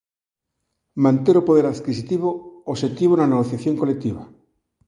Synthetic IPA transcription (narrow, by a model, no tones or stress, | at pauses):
mãnt̪eɾopoðeɾaðkisit̪iβooʃet̪iβ̞onaneɣ̞oθjaθjoŋkolek̚t̪iβ̞a